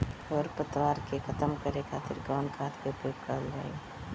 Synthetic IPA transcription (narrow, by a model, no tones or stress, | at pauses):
ɔːɾpət̪waːɾkekʰɐt̪əmkəɾekʰaːt̪ɪɾɡaːnkʰaːt̪keʊpjoːɡ̚kəɾəld͡ʒa̰ːḛ